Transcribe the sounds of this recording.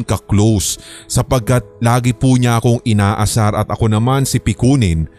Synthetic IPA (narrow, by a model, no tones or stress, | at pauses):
ŋkɐklowsːɐpɐɡ̚kat̪̚laːɡɪpuːɲaʔɐko̞ŋʔɪnaːʔɐsaɾɐt̪ʔɐko̞nɐmansɪpɪkuːnɪn